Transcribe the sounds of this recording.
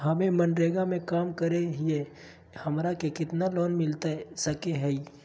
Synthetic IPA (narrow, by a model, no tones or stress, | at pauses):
ɦɐmẽmɐnɖɾeːɡamẽkaːmkəɾeɦie | hɐmɾakekɪt̪nalɔːnmɪlt̪esɐkeɦɛi